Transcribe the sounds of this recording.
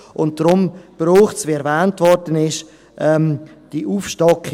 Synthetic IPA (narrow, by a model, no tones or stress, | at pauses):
ʊnt̚d̥ɾʊmb̥ɾuːχt͡sviɛɾvɛːntvɔɾdənɪʃ | ʔɛm | d̥iʔuːfʃtɑkχ